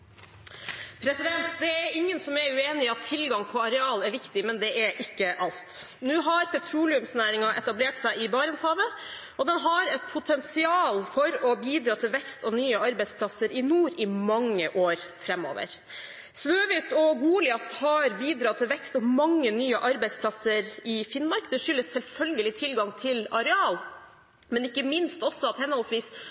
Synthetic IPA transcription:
pʰɾɛsɪd̪ɛnt̪d̪ɛæɾɪŋːənsɔmɛɾʉeːnɪɑt̪ʰːɪlɡɑŋpʰɔɑɾɛɑːlɛɾʋɪkt̪ɪmɛnd̪ɛʔɛʔɪkːəʔɑlt̪ | nuːɦɑɾpʰɛt̪ʰɾuːlɪʉmsnæːɾɪŋɑʔɛt̪ɑbleːʈsæɪɪbɑːɾənshɑːʋəʔɔd̪ɛnɦɑɾɛt̪̚pʰʊt̪ʰɛnsɪɑːlfɔɾɔbiːd̪ɾɑːt̪ʰɪlʋɛkst̪ɔnyːəɑɾbɛɪtspʰlɑsəɾɪnuːɾɪmɑŋːəʔoːɾ | fɾɛmo̰ːʋə̰ɾ | sløːʋɪt̪ɔɡuːlɪɑt̪hɑɾbiːd̪ɾɑːt̪ʰɪlʋɛkst̪ɔmɑŋːənyːəʔɑɾbæɪspʰlɑsəɾɪfɪnmɑɾkd̪ɛʂʏlːəsɛlfœlɡəlɪt̪ʰɪlɡɑŋt̪ʰɪlɑɾɛɑːl | mɛnɪkːəmɪnst̪ɔsːɔɑt̪hɛnhɔlsʋiːs

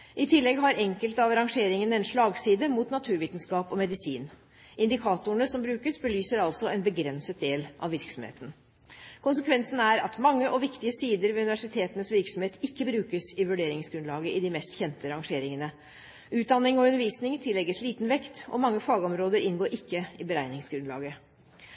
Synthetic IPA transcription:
ʔɪt̪ʰɪlːɛɡɦɑɾɛŋkəlt̪ɑʋɾɑŋʂeːɾɪŋənɛnʂɭɑːɡsiːd̪əmuːt̪nɑt̪ʰʉːɾʋiːt̪nskɑːpɔmɛd̪ɪsḭːn | ɪnd̪ɪkʰɑːt̪ʊəɳəsɔmbɾʉːkəsbəlyːsəɾɑlsɔɛnbəɡɾɛnsət̪̚d̪eːlʔɑ̰ʋɪɾksɔm̩hḛːt̪ən̩ | kʰʊnsəkʰʋɛnsn̩æɾɑ̰t̪mɑŋːəʔɔʋɪkt̪ɪəsiːd̪əɾʋɛʉnɪʋæʂɪt̪ʰeːt̪ənəsʋɪɾksɔm̩heːt̪ɪkːəbɾʉːkəsɪʋʉɖeːɾɪŋsɡɾʉnlɑːɡəʔɪd̪ɪmɛst̪çɛnt̪əɾɑŋʂeːɾɪŋənə | ʉːt̪̚d̪ɑnːɪŋɔʉnəɾʋiːsnɪŋt̪ʰɪlːɛɡəsliːt̪nʋɛkt̪ɔ̰mɑŋːəfɑːɡəɔmɾoːd̪əɾɪnɡoːɾʔɪkːəɪbəɾæɪnɪŋsɡɾʉnlɑ̰ːɡə

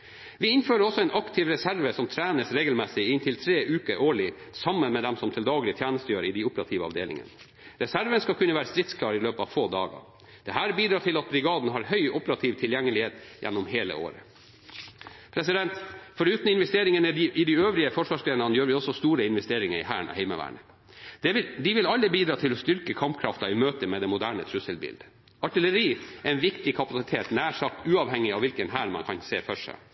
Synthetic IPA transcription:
ʋɪɪnføːɾəɾɔsːɔɛːnʔɑkt̪ʰɪʋɾɛsæɾʋəsɔmt̪ʰɾæːnəsɾeːɡəlmɛsɪɪnt̪ʰɪlt̪ʰɾeːʔʉːkəɾʔoːɭɪsɑmːənmɛd̪ɛmsɔmt̪ʰɪld̪ɑːɡəlɪt̪ʰjæːnəst̪əjøːɾɪd̪iʊpəɾɑ̰t̪ʰiːʋəɑ̰ʋd̪ḛːlɪ̰ŋə̰n | ɾɛsæɾʋənskɑkʰʉnːəʋæːɾəst̪ɾɪt̪skʰlɑːɾɪløːpəɑʋfoːd̪ɑ̰ːɡə̰ | d̪̥ɛhæːɾbiːd̪ɾɑːʈ̪ʰɪlɑt̪̚bɾɪɡɑːd̪n̩ɦɑɾhœʏʔʊpəɾɑt̪ʰiːʋt̪ʰɪljɛŋːəlɪheːt̪jʔɛ̰nːɔmɦeːlə̰o̰ːɾə̰ | pʰɾɛsɪd̪ɛnt̪fɔɾʉːt̪n̩ɪnʋɛst̪eːɾɪŋənəd̪ɪɪd̪ɪøːʋɾɪəfɔʂʋɑːʂkɾeːnɑnjøːɾʋɪɔsɔst̪uːɾəɪnʋɛst̪eːɾɪŋəɪ̰hæ̰ːɳʔɔ̰hɛɪmə̰ʋæ̰ːɳə | d̪̥ɛɪd̪ɪʋɪlɑlːəbiːd̪ɾɑːt̪ʰɪlɔst̪ʏɾkəkʰɑmpkʰɾɑft̪ɑɪmøːt̪əmɛd̪ɛmʊd̪æːɳə̰t̪ʰɾʉsəlbɪ̰ld̪ə | ɑʈɪləɾiːɛɛnʋɪkt̪ɪkʰɑpɑsɪt̪ʰeːt̪næːʂɑk̚t̪ʉːɑʋhɛŋːɪɑʋɪlkənɦæːɾmɑ̰nkʰɑ̰nsḛːfœʂə̰

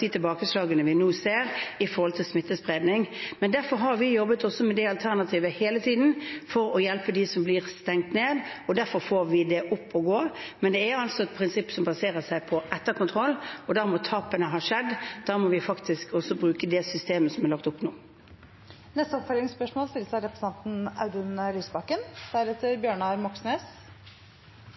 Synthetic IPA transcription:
d̪it̪ʰɪlbɑːkəslɑːɡənəʋɪnuːseːɾɪfɔɾʁhɔlt̪ʰɪlsmɪt̪ːəspʁeːd̪nɪŋmɛnd̪æɾfɔɾɦɑɾʋɪjɔbːət̪ɔsɔmɛd̪ɛɑlt̪ʰæʁnɑt̪ʰiːʋəheːlət̪ʰiːd̪n̩fɔɾɔjɛlpəd̪isɔmblɪːʁst̪ɛŋt̪neːd̪ɔd̪æɾfɔɾfoːɾʋɪd̪ɛʔʊpːɔɡoːmɛnd̪ɛæɑlsɔɛt̪̚pʰɾɪnsɪpːsɔmbɑseːɾəsæɪpʰɔʔɛt̪ːəɾkʊnt̪ʰʁɔlːɔd̪æːʁmɔt̪ʰɑːpənəɦɑːʂɛd̪ːd̪̥æːʁmɔʋɪfɑkt̪ɪskʰɔsːɔbɾʉːkəd̪ɛsʏst̪eːməsɔmæʁlɑk̚t̪ʊpːnuː | nɛst̪əɔpfœlɪŋspœʂmoːlfɪɾsɑɾɛpɾəsnɑnt̪n̩ɑ̰ʉd̪ʉnlyːsbɑkːənd̪̥æɾɛt̪əɾbjøːɳɑɾmɔksnøːs

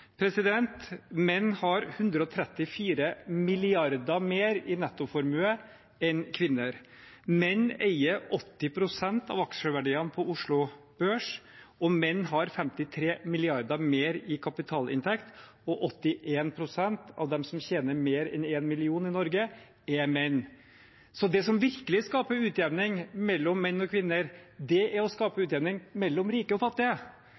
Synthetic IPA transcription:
pʰɾɛsɪd̪ɛnt̪mɛnːhɑɾhʉnd̪ɾəɔt̪ʰɾɛt̪ːɪfiːɾəmɪlɪɑɾd̪ɑmeːɾɪnɛt̪ːʊfɔɾmʉə | ɛnkʰʋɪnːəɾ | mɛneɪəɾɔt̪ːɪpʰɾʊsɛnt̪ɑ̰ʋɑkʂəʋæɖiːɑnpʰɔʔʊʂɭʊ | b̥øːʂɔmɛnːɦɑɾfɛmt̪ɪt̪ʰɾeːmɪlɪɑɾd̪əmeːɾɪkʰɑpɪt̪ʰɑːlʔɪ̰nt̪ʰɛkt̪ | ɔʔɔt̪ːɪʔeːnpʰɾʊsɛnt̪ɑ̰ʋd̪ɛmsɔmçeːnəɾmeːɾɛ̰nɛːnmɪlɪuːnɪnɔɾɡə | ɛmɛnː | sɔd̪ɛsɔmʋɪɾkəlɪskɑːpəɾʉːt̪ʰjɛʋnɪŋmɛlːɔmːɛnːɔkʰʋɪnːəɾd̪ɛʔæɾɔskɑːpəʉːt̪jɛʋnɪŋmɛlːɔmɾiːkəɔfɑt̪ːɪə

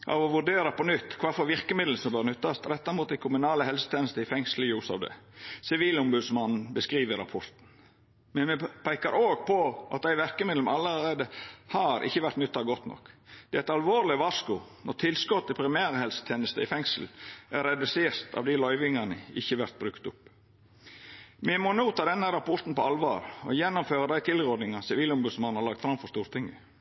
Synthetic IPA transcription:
ʔɑ̰ʋɔʋʉɾɖeːɾɑpɔnʏt̪ːkʰʋɑːfɔʋɪɾkəmɪd̪l̩sɔmbøːɾnʏt̪ːɑst̪ɾɛt̪ːɛɾmuːt̪d̪æɪkʰʊmʉnɑːləɦɛlsə̥t̪ʰeːnəst̪əɪfɛŋsl̩juːɾsɑ̰ʋd̪ɛ̰sɪʋiːlʊmbʉd̪smɑnn̩bəskɾiːʋəɾɑ̰pʰɔɾt̪n̩ | mɛnmɛpʰæɪkɑɾoːɡpʰɔʔɑ̰t̪̚æɪʋæɾkəmɪd̪l̩əmɑlːəɾeːd̪əhɑɾɪ̰çːəʋæɾt̪nʏt̪ːɑʋɡɔt̪nɔ̰kːd̪̥ɛːɛt̪ɑlʋoːlɪʋɑskʊnɔt̪ʰɪlskɔt̪ːɪpʰɾɪmæːɾəhɛlsə̥t̪ʰeːnəst̪əɪfɛŋsəl̩ʔæɾɛd̪ʉseːɾt̪ɑ̰ʋd̪ɪlœʏʋɪŋɑnəɪçːəʋæɾt̪̚bɾʉkt̪ʊp | mɛmonuːt̪ɑd̪ɛnəəɾɑpʰʊɾt̪n̩pɔɑlʋɑ̰ːɾɔjɛnːɔmføːɾəd̪æɪt̪ʰɪlɾoːd̪nɪŋɑsɪʋiːləʊmbʉd̪smɑnn̩ɑɾlɑk̚t̪fɾɑmfɔɾst̪uːɾt̪ʰɪŋːə

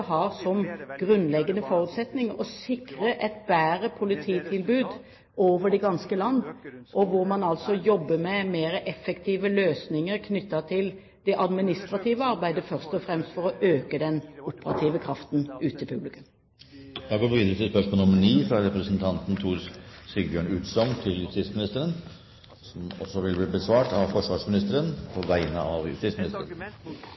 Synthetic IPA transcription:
ɦɑɾsɔmɡ̥ɾʉnlɛɡənəfɔɾʉːt̪sɛt̪nɪŋɔsɪkɾəʔɛt̪b̥æːɾəpʰʊlɪt̪ʰiːt̪ʰɪlbʉːd̪ | oːʋəɖɛɡɑnskəlɑnːʔɔʋʊɾmɑnɑlsɔjɔbːəmɛmeːɾəʔɛfɛkt̪ʰiːʋəløːsnɪŋəɾkʰnʏt̪ːɑt̪ʰɪl | d̪̥ɛʔɑd̪mɪnɪst̪ɾɑt̪ʰiːʋəɑɾbæɪd̪əfœʁst̪ɔfɾɛmst̪fɔʁɔʔøːkəd̪ɛnʊpəɾɑt̪ʰiːʋəkʰɾɑft̪n̩ʉːt̪ɪpʰʉblɪkʉm | d̪ɑːɡoːɾʋiːd̪əɾət̪ʰɪlspœʂmɔlnʊməɳiːfɾɑɾɛpɾəsnt̪ʰɑnt̪n̩t̪ʰuːɾsɪɡbjøːɳʉːt̪sɔŋt̪ʰɪlʉst̪ɪsmɪnɪst̪əɾən | sɔmɔ̰sːɔʋɪlbliːbəsʋɑːʈʰɑʋfɔʂʋɑʂmɪnɪst̪əɾənpʰɔʋæɪənə̰ɑʋjʉ̰st̪ɪsmɪnɪst̪əɾə̰n

